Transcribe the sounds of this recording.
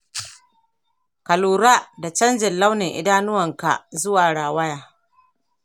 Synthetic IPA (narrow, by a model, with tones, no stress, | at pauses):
kɐ˨luː˨ɾaː˦da˨t͡ʃɐ˦nd͡ʒɪ˨nla˦wnɪ˨ŋʔɪ̰˦daː˦nʊ˦wɐ˨ŋka̰˨zʊ˦waː˨ɽaː˨wɐ˦jaː˨